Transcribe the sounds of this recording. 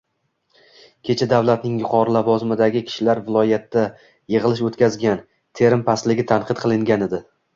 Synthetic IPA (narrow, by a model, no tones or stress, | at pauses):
kʲʰe̞t͡ʃʰad̪avlˠat̪nɪŋjʊqʰɒɾɪlavɒzɪmɪd̪aɡʲɪkʲʰɪ̥ʃɪlaɾvɪlˠɒjat̪ːa | jeʁɨlˠɪʃot̪kʲazɡʲan | t̪ʰe̞ɾɪmpʰaslɪɡʲɪt̪ʰanqʰɨt̪̚qʰɨlˠɪŋɡʲaned̪ɪ